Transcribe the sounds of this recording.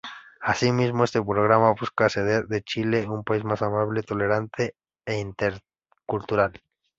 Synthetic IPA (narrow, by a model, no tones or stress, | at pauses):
asimismoe̞st̪epɾoɣ̞ɾamaβuskase̞ð̞eɾðet͡ʃile̞umpais̬masamaβlet̪o̞le̞ɾant̪ʰeː | int̪eɾ | kult̪uɾal